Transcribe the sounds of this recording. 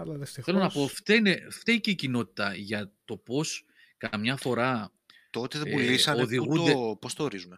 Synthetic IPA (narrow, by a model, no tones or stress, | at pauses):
ɐlɐðist̪θe̞lonɐpo̞ft̪eineft̪eiceicino̞t̪i̥t̪ɐʝɐt̪o̞po̞s | kɐmɲɐfo̞ɾɐ | t̪ot̪eðulisɐoðiɣuund̪epost̪oːɾizume